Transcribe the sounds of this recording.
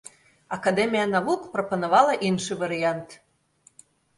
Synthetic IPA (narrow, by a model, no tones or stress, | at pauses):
ɑkɑd̪emʲijɑnɑβukproponoβɑlɑʔimʃəβɑɾiɑnt̪